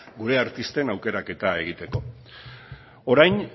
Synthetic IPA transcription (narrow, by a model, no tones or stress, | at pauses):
ɡuɾe̞aɾt̪ist̪e̞nawke̞ɾake̞t̪ae̞ɣ̞it̪e̞ko̞ | oɾajn